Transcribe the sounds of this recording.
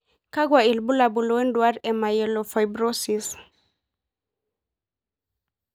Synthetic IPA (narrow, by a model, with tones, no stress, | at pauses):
ka˦ɡwa˨i˨lbu˦la˨bu˨lwɛ˦ndwa˦ɾɛma˨jɛlofa˨jbɾo˦sis